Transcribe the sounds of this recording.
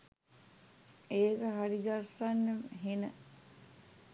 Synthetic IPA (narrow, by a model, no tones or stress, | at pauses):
eːkəɦaɾid̪asanːəɦenə